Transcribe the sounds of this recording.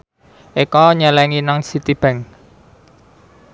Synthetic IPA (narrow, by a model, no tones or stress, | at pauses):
ʔikɔɲəlɛŋinaŋsit̪ib̥ɛ̤ŋ